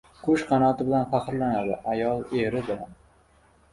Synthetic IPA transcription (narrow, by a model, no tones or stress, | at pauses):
qʰoʃqʰɑnɒt̪ʰɪbɪlanfaqɾlanad̪ɪ̰ʔajɒlˠe̞ɾɪb̪ɪlan